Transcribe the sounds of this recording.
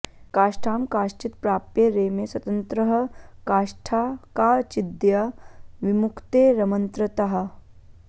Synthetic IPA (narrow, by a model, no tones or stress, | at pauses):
kaːʃʈʰaːmkaːʃt͡ʃit̪pɾaːpjeɾeːmeswɐt̪ənt̪ɾɐɦɐ̆kaːʂʈʰaːkaːt͡ʃid̪jɐʋimukʰt̪eːɾɐmɐnt̪ɾɐt̪ɐɦɐ̆